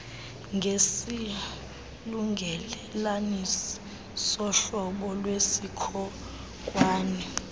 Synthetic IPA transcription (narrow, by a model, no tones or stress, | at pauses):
ŋʱesi | luŋɡʱɛlɛlanisi̥ | sɔɬɔɓɔlwesikʰɔ | kʼwaːnɛ